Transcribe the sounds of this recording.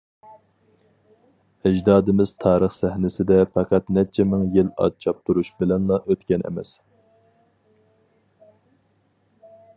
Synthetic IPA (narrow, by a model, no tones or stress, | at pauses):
æd͡ʒd̪ɑːd̪ɪmɪz̥t̪ʰɑːɾəχsæhnɪsɪd̪ɛpɛqɑt̪nɛt͡ʃʰɛmɪŋjɪlɑ̰t͡ʃʰɑp̚t̪ʰuɾuʃbɪlɛnlˠɑʔøt̪kʲɛnʔɛ̰mɛ̰s